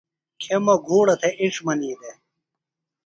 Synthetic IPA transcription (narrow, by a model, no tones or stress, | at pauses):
kʰemɐɡʱuːɽɐt̪ʰeʔiʂmɐniːd̪e